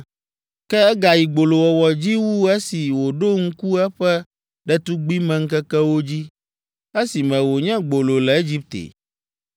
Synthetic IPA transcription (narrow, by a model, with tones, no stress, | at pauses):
kɛ˦ɛ˦ɡa˨ji˨ɡ͡bo˨lo˨wɔ˨wɔ˨d͡ʑi˦wu˦ɛ˦si˨wo˨ɖo˦ŋ̩˦ku˦ɛ˦ɸɛ˦ | ɖɛ˦t̪u˦ɡ͡bi˦mɛ̃˨ŋ̩˦kɛ˦kɛ˦wo˦d͡ʑi˦ | e˦si˨mɛ̃˨wo˨ɲɛ̃˦ɡ͡bo˨lo˨lɛ˨e˦d͡ʑi˦p̚t̪ḛ˨